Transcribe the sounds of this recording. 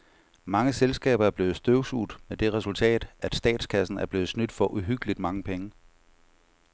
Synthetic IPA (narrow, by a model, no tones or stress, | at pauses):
mɑ̈ŋəselsɡ̥ɛ̰ːb̥ɐæɐb̥le̝ːð̩ˠsd̥øʊsud̥med̥e̝ʁɛsult͡sʰɛ̰ːd̥æd̥sd̥ɛ̰ːd̥skʰæsn̩æɐb̥le̝ːð̩ˠsnyd̥fɒ̽ʔuɦyɡ̥əlid̥mɑ̈ŋəpʰeŋə